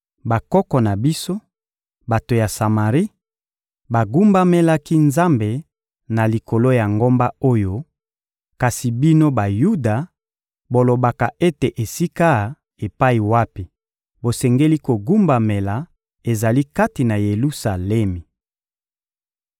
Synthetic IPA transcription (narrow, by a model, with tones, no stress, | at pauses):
ba˨kɔ˦kɔ˨na˨bi˦so˦ | ba˨to˨ja˨sa˨ma˨ʁi˦ | ba˨ɡu˦mba˦me˦la˦ki˦nza˦mbe˨ | na˨li˨ko˨lo˦ja˨ŋɡo˦mba˦o˦jo˦ | ka˨si˨bi˦no˦ba˨ju˦da˨ | bo˨lo˨ba˨ka˨ʔe˦te˨ʔe˨si˦ka˦ | e˨pa˦i˨wa˦pi˨ | bo˨sɛ˨ŋɡe˦li˦ko˨ɡu˦mba˨me˨la˨ | e˨za˨li˦ka˦ti˨na˨je˨lu˦sa˨lɛ˦mi˨